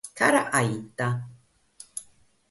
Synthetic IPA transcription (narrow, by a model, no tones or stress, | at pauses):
kaɾaʔajt̪a